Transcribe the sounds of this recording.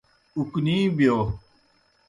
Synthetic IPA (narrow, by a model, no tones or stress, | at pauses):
ukniːbjoː